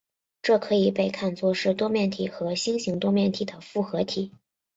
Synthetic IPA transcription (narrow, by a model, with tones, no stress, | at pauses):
ʈ͡ʂɤ˥˩kʰɤ˧˥i˨˩pe˥˧ɪkʰa˥˧nt͡swɔ˥˧ʂɻ̩˥˩t̪wɔ˥mjɛ˥˩nt̪ʰi˨˩xɤ˧˥ɕi˥ŋɕi˧˥ŋt̪wɔ˥mjɛ˥˩nt̪ʰi˨˩d̪ə˩fu˥˩xɤ˧˥t̪ʰi˨˩˦